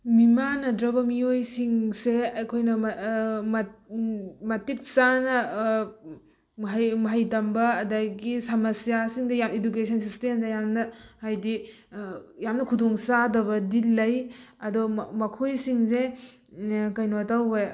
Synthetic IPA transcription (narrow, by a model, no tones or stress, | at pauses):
mimanɐdɾɐbɐmiojsiŋseɐjkʰojnɐmmɐ | mɐtik̚sanɐ | ɦjmɐɦɐjtɐmbɐːdaɡisɐmɐsijasiŋdɐjameduk̬esʰɐnsistemdɐjamnɐhajdi | jamnɐkʰudɔŋsadɐbɐdilɐjɐdɔmɐkʰojsiŋse | kɐjnotawe